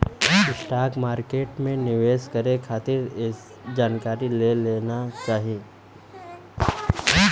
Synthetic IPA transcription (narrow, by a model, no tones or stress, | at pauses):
ɪsʈaːkmaːɾkeːʈmẽnɪʋeːskɐɾekʰaːt̪ɪɾes | d͡ʒaːnkaːɾileleːnat͡ʃaːɦieː